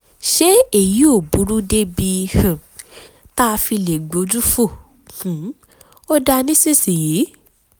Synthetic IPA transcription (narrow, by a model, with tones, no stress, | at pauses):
ʃe˦e˨ji˨˦o˦˨bu˨˦ɾu˦de˦bi˧hã˨ | ta˦˧fi˧le˨ɡ͡bo˨˧d͡ʒu˦fo˦˨ | hũ˨˦ | o˦da˧nĩ˦si˦si˨ji˨˦